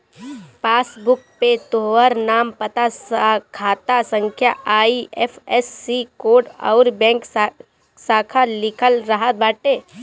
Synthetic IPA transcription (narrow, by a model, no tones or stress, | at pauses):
paːsbʊk̚pet̪oːʋəɾnaːmpət̪askʰaːt̪asə̃ŋkʰjaaːiɛfʰɛsːikoːɖɔ̰ːɾbɛ̃ːŋk | saːkʰalɪkʰəlɾəɦət̪̚baːʈeː